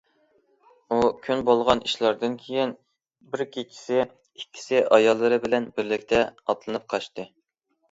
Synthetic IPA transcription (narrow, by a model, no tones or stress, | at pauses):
ukʲʰynbolˠʁɑniʃlˠɑɾd̪ɨnkʲʰejin | bɪɾkʲʰekʲʰi̥sɪ | ikʲʰːi̥sɪʔɑjɑlˠːɨɾɨbɪlɛnbɪɾlɪkʲt̪ʰɛɑt̪lˠɨnɨp̚qʰɑʃt̪ɨ